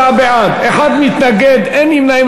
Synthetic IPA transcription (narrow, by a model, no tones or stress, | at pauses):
abeʕad̪eħad̪mit̪naɡed̪ɛnimnaim